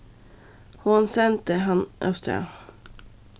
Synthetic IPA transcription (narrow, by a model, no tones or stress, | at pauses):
hʊnsɛnt̪əɦɑnʔœ̰st̪ə̰